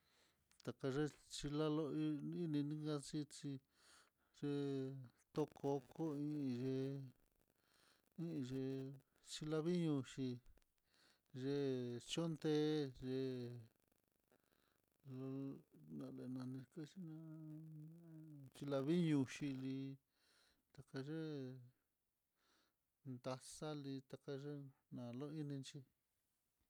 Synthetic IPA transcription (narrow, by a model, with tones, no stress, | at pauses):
t̪a˨ka˧ʐe˦t͡ʃi˧la˦lo˦i˦i˦nĩ˧nĩ˦ɡã˧t͡ʃi˦t͡ʃi˧ | ʐe˧t̪o˧kʰo˧ko˦ĩ˦˧ĩ˧ʐe˧ | ĩ˦˧ʐe˧ | t͡ʃi˧la˧βi˦ɲũ˧ʂi˧ | ʐe˧t͡ʃo˦nt̪e˦ʐe˧ | lo˧nã˧le˨nã˧nĩ˧ka˦t͡ʃi˦nã˧˦ | t͡ʃi˧la˧βi˦ɲũ˧ʃi˧li˧ | t̪a˧ka˧ʐe˦ | nd̪a˧sa˦li˧t̪a˧ka˧ʐe˦nã˨lo˦i˦nĩ˧nt͡ʃi˧